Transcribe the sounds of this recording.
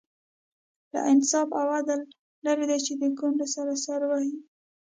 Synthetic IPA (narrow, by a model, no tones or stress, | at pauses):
la̰ʔɪnsɑbawad̪alː | aɾed̪ajt͡ʃed̪əkoɳɖesaɾasaɾwahi